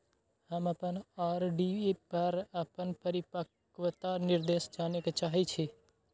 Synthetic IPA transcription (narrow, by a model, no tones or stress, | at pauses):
həməpənaːɾɖiːepəɾəpənpəɾɪpək | ʋət̪anɪɾd̪eːsd͡ʒaːneket͡ʃaːɦit͡ʃʰeː